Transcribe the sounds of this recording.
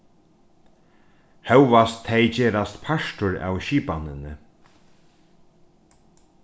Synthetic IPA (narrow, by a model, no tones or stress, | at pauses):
hɛwʋast̪ʰːɛjt͡ɕeːɾast̪pʰaʃtʊɾa̰wʃiːpanɪnɪ